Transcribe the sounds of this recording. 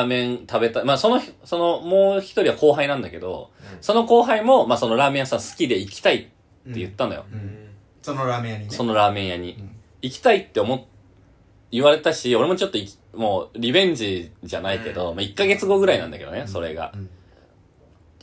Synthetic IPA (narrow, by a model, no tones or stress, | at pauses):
amẽ̞nt̪abe̞t̪amaso̞no̞çso̞no̞mo̞ːçi̥t̪o̞ɾʲiβako̞ːɦainãnd̪ake̞d̪o̞̰so̞no̞ko̞ːɦaimo̞maːso̞no̞ɾaːmẽ̞jasãsɨ̥kʲid̪e̞ikʲi̥t̪ait̪ː | e̞jɯ̟t̪ːanojo̰ | aso̞no̞ɾaːmẽ̞ɰ̃jaɲ̟i | ikʲi̥t̪ait̪ːe̞omo̞t | ɨβaɾe̞t̪aɕio̞ɾe̞mo̞t͡ɕo̞t̪ːo̞ikʲ | mo̞ːɾʲibẽ̞ɲ̟d͡ʑiʑanaike̞d̪o̞maikːaɡe̞t͡sɨɡo̞ɡɯ̟ɾainã̰nd̪ake̞d̪oneso̞ɾe̞̰ɡa̰